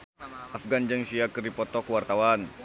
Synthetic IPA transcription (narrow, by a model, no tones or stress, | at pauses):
ʔafɡand͡ʒəŋsiakɨrdipɔt̪ɔkuwart̪awan